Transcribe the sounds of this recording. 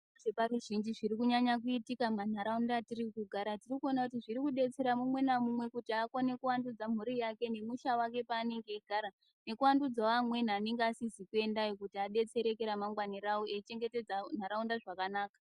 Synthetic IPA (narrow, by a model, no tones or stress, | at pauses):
ʐeparuʒind͡ʒiʐiɾikuɲaɲak̬uitikaman̤aɾaundatirikuɡʱaɾatirikuo̞nakutiʐiɾikuɗe̞t͡se̞ɾamumwe̞namumwe̞kutiakone̞kuwandud͡zam̤uɾijake̞ne̞muʃawake̞paːne̞ŋɡe̞iɡʱaɾa | ne̞kuwandud͡zaʋamwe̞n̤aːne̞ŋɡeasizikue̞ndajokutiaɗe̞t͡se̞ɾe̞keɾamaŋɡwaniɾaoeit͡ʃe̞ŋɡe̞te̞d͡zan̤aɾaundaʐakanaːkḁ